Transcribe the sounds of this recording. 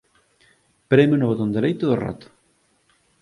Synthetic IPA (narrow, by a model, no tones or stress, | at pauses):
pɾemʊnʊβot̪ond̪eɾejt̪oðora̰t̪ʊ̥